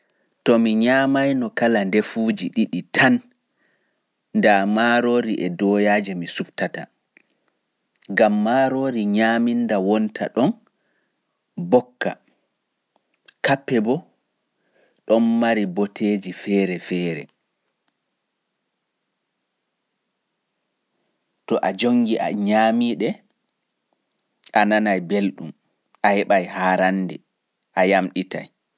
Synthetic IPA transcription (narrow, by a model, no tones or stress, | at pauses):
tɔmiɲaːmajnɔkalandefuːd͡ʒiɗiɗitʰan | damaɾoːɾiʔɛdɔjaːd͡ʒɛmisubtata̰ | ɡamːaːɾoɾiɲaːmindawɔntʰa̰ɗɔn | bɔkːa̰ | kapːɛbɔ | ɗɔnːaɾibɔtʰeːd͡ʒifɛːɾɛfɛːɾɛ̰ | tɔʔad͡ʒoŋɡiʔa̰ɲaːmiːɗɛ | ʔananajbelɗum | ʔahɛɓajhaːɾandɛ | ʔajamɗita̰j